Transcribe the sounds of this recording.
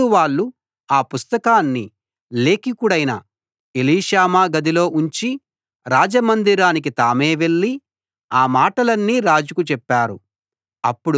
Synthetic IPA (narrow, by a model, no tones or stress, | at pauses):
uʋaːɭːu | aːpust̪ɐkaːnːi | le̞ːkikuɽɐjnɐ̰ | eliːʃaːmaːɡɐd̪ilo̞ːʔuɲt͡ʃi | ɾaːd͡ʒɐmɐnd̪iɾaːnik̬it̪aːmeːʋe̞ɭːi | aːmaːʈɐlɐnːiːɾaːd͡ʒukut͡ʃɛpːaːɾṵ | ɐpːuɽ